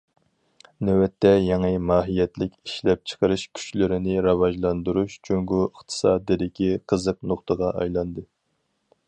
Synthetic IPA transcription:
nɛwɛt̪ʰːɛjɑŋəmɑːɦijɛt̪lɪkʲiʃlɛp̚t͡ʃʰə̥qəɾɨʃkʲʰy̥t͡ʃlɪɾɪnɪɾɑvɑʒlˠɑnd̪uɾuʃt͡ʃʰøŋɡuəχt̪ʰɨ̥sɑːd̪ɨd̪ɪkʲiqʰəzəq̚noχt̪əʁɑʔɑ̰jlˠɑnd̪ɨ

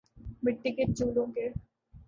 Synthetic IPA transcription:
mɪʈːiket͡ʃuːlõke

